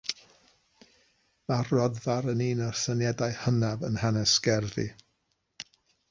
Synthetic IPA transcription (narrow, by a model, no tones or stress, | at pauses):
marɔdvaɾəniːnɔrsənjɛdajhənavənhanɛsɡ̥ɛrðḭ